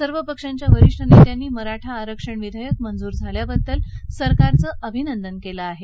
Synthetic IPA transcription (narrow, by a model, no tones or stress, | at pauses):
səɾʋəpəkʂaɲt͡ɕjaʋəɾiʂʈʰənet̪janːiːməɾaʈʰaːɾəkʂəɳʋid̪ʱəjək̚mənd͡zuːɾd͡zʱaljabəd̪ːəlsəɾkaɾt͡səːʔəbʱinənd̪ənkeləaɦe